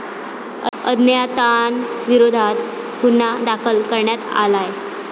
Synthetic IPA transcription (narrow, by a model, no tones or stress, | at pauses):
əd̪njat̪anʋiɾod̪ʱat̪ | punːad̪akʰəlkəɾɳjat̪a̰laj